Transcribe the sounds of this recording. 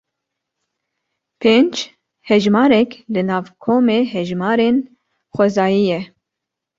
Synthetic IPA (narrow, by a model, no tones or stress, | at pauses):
pʰeːnd͡ʒ | hɛʒmɑːɾɛklɨnɑːvkʰoːmeːɦɛʒmɑːɾeːn | xʷɛzɑːjijɛ